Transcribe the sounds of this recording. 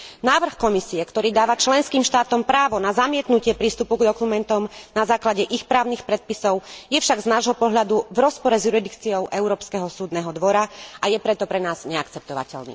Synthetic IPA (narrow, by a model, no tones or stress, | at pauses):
naːʋr̩xkɔmisiɛkt̪ɔɾiːd̪aːʋat͡ʃlɛnskiːmʃt̪aːt̪ɔmpɾaːʋɔnazamɪɛt̪nucɪɛpɾiːst̪upuɡd̪ɔkumɛnt̪ɔmnazaːklaɟɛʔixpɾaːʊnixpɾɛt̪̚pisɔʊjɛfʃaɡznaːʒɦɔpɔɦʎad̪uvɾɔspɔɾɛzjuɾid̪ikt͡siɔʊʔɛʊɾɔːpskɛɦɔsuːd̪nɛɦɔd̪ʋɔɾaajɛpɾɛt̪ɔpɾɛnaːz̥ɲɛak̚t͡sɛp̚t̪ɔʋa̰cɛ̰ʎnḭː